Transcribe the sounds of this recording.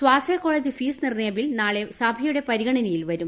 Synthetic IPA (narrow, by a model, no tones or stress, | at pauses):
swaːsɐjko̞ːɭed͡ʑifiːsnirneːbilnaːɭe̞sɐbʱɐjuɽe̞pɐɾiɣɐɳɐnɐjilʋɐɾum